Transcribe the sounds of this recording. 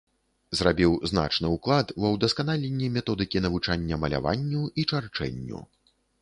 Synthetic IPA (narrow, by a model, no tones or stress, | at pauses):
zrabʲiwzna̰t͡ʂnɨuklˠat̪bɔwd̪ɐskanalʲenʲːimʲɛt̪ɔd̪ɨkʲinɐvut͡ʂanʲːɐmɐlʲa̰va̰nʲːuit͡ʂart͡ʂɛ̰nʲːṵ